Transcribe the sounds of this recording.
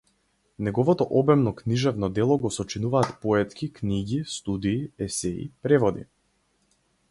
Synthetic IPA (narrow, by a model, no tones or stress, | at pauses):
nɛɡɔvɔt̪ɔʔɔbɛmnɔkniʒɛvnɔd̪ɛlˠɔɡɔsɔt͡ʃinuvaːt̪pɔɛt̪kʲikniɟist̪ud̪iːɛsɛḭpɾɛvɔd̪ḭ